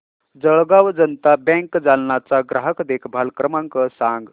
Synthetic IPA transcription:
d͡zəɭɡaʋd͡zənt̪abɛ̃ŋkd͡zalnat͡saɡɾaɦəkd̪ekʰbʱalkɾəmãŋkəsãŋɡ

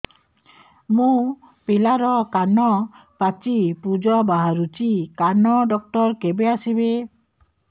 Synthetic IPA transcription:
mũ | pelaɾɔkanɔpat͡ʃipud͡ʒɔbaɦaɾut͡ʃikanɔɖɔk̚ʈɔɾkebeasibe

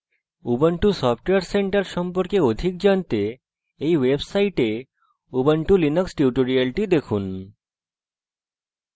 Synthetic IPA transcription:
ubəɳʈusɔpʰʈeaɾseɳʈaɾʃɔmpoɾkeod̪ʱik̚d͡ʑant̪e | ejwebsajʈe | ubəɳʈulinoksʈiuʈoɾialʈid̪ekʰun

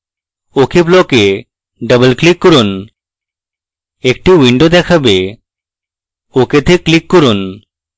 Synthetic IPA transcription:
okʰeblɔke | ɖəbəlklikːɔɾun | ek̚ʈiwiɳɖod̪ɛkʰabe | oket̪ʰeklikːɔɾun

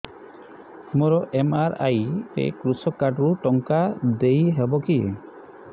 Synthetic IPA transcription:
mɔɾɔʔemaɾa̰jtḛkɾusɔkaɖɾuʈɔŋkad̪ejɦebɔkḭ

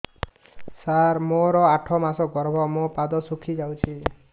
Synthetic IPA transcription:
saɾmoɾɔaʈʰɔmasɔɡɔɾbʱɔmopad̪ɔsukʰid͡ʒawt͡ʃʰi

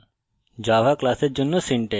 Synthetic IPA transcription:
d͡ʒaːʋaklaːsed͡ʒunːusĩɳʈe

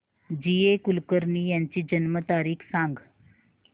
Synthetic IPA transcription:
d͡ʑiekulkəɾniːjaɲt͡ɕiːd͡ʑənmət̪aɾiːkʰsãŋɡ

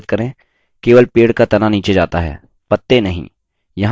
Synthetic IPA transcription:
t̪kɐɾẽ | keːʋəlpeːɽkat̪ɐnaniːt͡ʃed͡ʒaːt̪aɦɛ̰ː | pɐt̪ːenɐɦḭ̃ː | jɐɦ

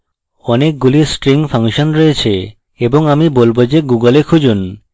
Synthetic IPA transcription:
ɔnek̚ɡulisʈɾiŋpʰaŋʃonɾoet͡ɕʰe | eboŋamibolbod͡ʑeɡuɡəlekʰud͡ʑun

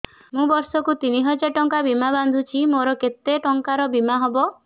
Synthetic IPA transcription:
mũbɔɾsɔkut̪iniɦɔd͡ʒaʈɔŋkabimaband̪ʱut͡ʃʰimoɾɔket̪eʈɔŋkaɾɔbimaɦɔbɔ

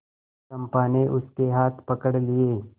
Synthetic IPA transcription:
ɐ̃mpaːneʔʊskeɦaːt̪ʰpɐkəɽlieː

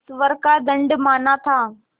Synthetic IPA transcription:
sʋəɾkad̪əɳɖmaːnat̪ʰaː

